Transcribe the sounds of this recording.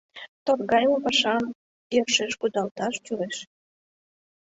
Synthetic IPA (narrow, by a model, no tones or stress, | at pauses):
t̪orɣɑjmopɑʃɑm | jørʃeʃkud̪ɑlt̪ɑʃt͡ɕueʃ